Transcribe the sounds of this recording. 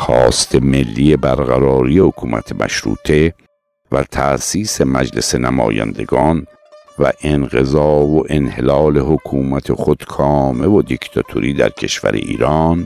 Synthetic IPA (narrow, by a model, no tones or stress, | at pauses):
xɒːst̪ʰeme̞lːijebæɾɣæɾɒːɾijehokʰuːmʔæ̰t̪ʰemʔæ̰ʃɾṵːt̪ʰe | væt̪ʰæʔsiːsemæd͡ʒlese̞næmɒ̰ːjæ̰nd̪e̞̰ɡɒːn | væʔenɢezɒːvoʔe̞nhelɒːleɦokʰuːmæt̪ʰexod̪̥kʰɒːme̞vod̪ikt̪ʰɒt̪ʰoɾiːd̪æɾcʰe̞ʃvæ̰ɾḛʔḭːɾɒːn